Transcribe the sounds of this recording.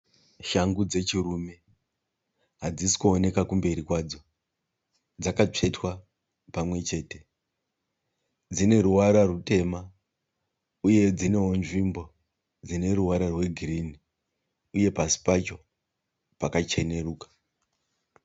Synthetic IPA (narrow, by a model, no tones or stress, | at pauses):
ʃaŋɡud͡ze̞t͡ʃirume̞ | ɦad͡zisi̥kuone̞kakumbe̞ɾikwaːd͡zo̞ | d͡zakat͡ʂe̞twa | pamwe̞t͡ʃe̞ːte̞ | d͡zine̞ɾuwaɾarute̞ma | uje̞d͡zine̞ɦonʐimbo̞ | d͡zine̞ɾuwaɾarwe̞ɡʱirini | uje̞pasi̥pat͡ʃo̞ | pakat͡ʃe̞ne̞ruːkḁ